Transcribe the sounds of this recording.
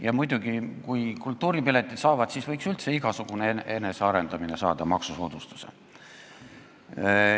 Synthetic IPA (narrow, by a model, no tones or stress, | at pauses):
jɑmujd̪̥uɡ̥ikujkult̪ːˑuːɾipilet̪ːˑit̪sɑːvɑd̪̥sisvɤjksylt̪se̞iɡ̥ɑsuɡ̥unee̞ne̞seɑɾe̞nd̪ɑmine̞sɑ̰ːd̪̥ɑmɑksusoːd̪ust̪u̥sḛ